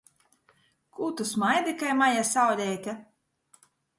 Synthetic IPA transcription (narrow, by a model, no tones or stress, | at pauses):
kʰut̪usmajd̪ikajmajasawɾʲɛːt̪ʲa